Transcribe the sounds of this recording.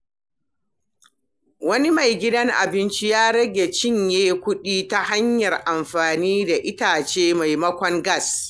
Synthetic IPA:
wɐ˦ni˦ma˨jɡʲɪ˦dɐ˦ŋʔa̰˨bɪ˦nt͡ʃi˦jaː˦ɽɐ˦ɡʲe˨t͡ʃɪ˦ɲjeː˦kʷʊ˦ɗiː˦ta˦ha˦ɲjɐ˨rʔa˨mɸaː˨niː˦da˨ʔɪ˦taː˨t͡ʃeː˦ma˨jmɐ˦kʷɔ˦ŋɡɐ˦˨s

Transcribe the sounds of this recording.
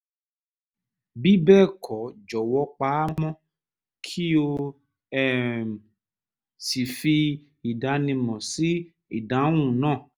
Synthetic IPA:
bi˦bɛː˦˨kʰɔ˨˦d͡ʒɔ˨wɔ˧˦k͡pa˨˦mɔ̃˦ | kʰi˦o˧ | ɛ˦˨m˨ | si˨fi˧ | i˨da˨˦nĩ˧mɔ̃˨si˦ | ḭ˨da˨˦w̃ũ˦˨nãː˦˨

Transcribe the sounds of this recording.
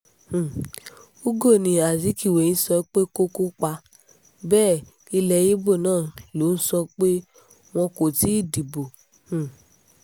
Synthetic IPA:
hũ˨ | u˦ɡo˦˨nĩ˨a˨si˨˦ki˦˨we˨ĩ˨˦sɔ˧˦k͡pe˦ko˦ko˦k͡pa˧˦ | bɛː˦˨ | i˧lɛ˧ji˦bo˦˨nãː˦˨lo˨˦n̩˦sɔ˧k͡pe˦ | w̃ɔ̃˧ko˨ti˨˦i˦˨di˨bo˨ | hũ˨

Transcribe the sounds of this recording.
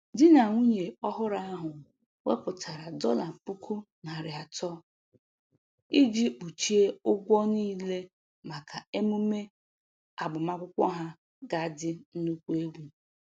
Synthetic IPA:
dɪ˦na˨ŋʷu˦ɲe˨ɔ˦ɦʊ˦ɾa˦a˦ɦʊ˨ | we˦pʊ˨tʰa˨ɾa˨dɔ˦la˨pu˦kʰu˦ | na˨ɾɪ˨a˨tɔ˦ | i˦d͡ʒi˦k͡pu˨t͡ʃi˦e˦ʊ˦ɡʷɔ˦niː˦le˦ | ma˨kʰa˨e˦mu˦me˦ | a˨ɡ͡bʊ˨ma˦kʷʊ˦kʷɔ˦ɦa˦ | ɡa˦˨dɪ˦n̩˦nu˦kʷu˦e˦ɡʷu˦

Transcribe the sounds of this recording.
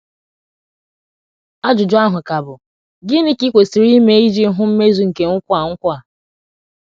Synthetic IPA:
a˦d͡ʒʊ˨d͡ʒʊ˦a˦ɦʊ˨ka˨bʊ˨ | ɡɪ˦nɪ˦ki˦kʷe˨si˨ɾi˦me˦i˦d͡ʒi˦ɦʊ˦m̩˦me˦zu˦ŋ̩˨ke˨ŋ̩˦kʷa˨ŋ̩˦kʷa˨

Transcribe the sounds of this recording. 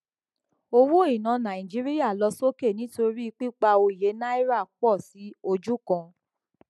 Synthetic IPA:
o˧wo˦i˨nã˨˧nã˨ĩ˨d͡ʒi˦ɾi˦ja˦˨lɔ˧so˦ke˦˨nĩ˨˦to˧ɾi˦˧k͡pi˦k͡pa˧o˧i˨je˨˦na˦i˦ɾa˦˨k͡pɔ˦˨si˨˦o˧d͡ʒu˦kã˧

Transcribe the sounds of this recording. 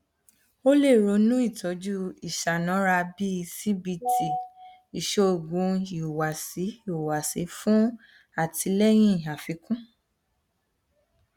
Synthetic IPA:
o˦le˦˨ɾo˨˧˦nũ˦i˦˨tʰɔ˨˦d͡ʒu˦i˨ʃa˨nã˨˦ɾa˧bi˦˧si˦bi˧ti˨ | i˨ʃo˧o˨ɡũ˧i˨wa˨si˨˦o˨wa˨si˨˦fũ˦ | a˦˨ti˧˦lɛ˦j̃ĩ˦˨a˨fi˨˧˦kũ˦

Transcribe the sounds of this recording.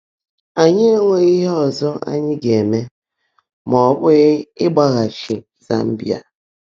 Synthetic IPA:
a˨ɲɪ˦e˦ŋʷe˨i˦ɦe˦ɔ˨zɔ˦ʔa̰˦ɲɪ˦ɡe˨me˦ | mɔ˨bʊ˦ɣɪ˦ɡ͡ba˦ɣa˨t͡ʃɪ˨ | za̰˦m̩˦bja̰˨

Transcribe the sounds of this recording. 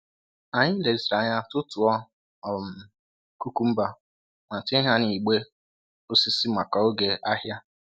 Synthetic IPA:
a˨ɲɪ˦le˨si˨ɾa˨ɲa˦tʊ˦tʊ˨ɔ˦ | ɔ˨m̩˨ | ku˦ku˦m̩˦ba˦ | ma˨te˦ɦa˦ni˨ɡ͡be˦ | ʊ˦si˦si˦ma˨ka˨o˦ɡe˨ʔa˦ɦja˦

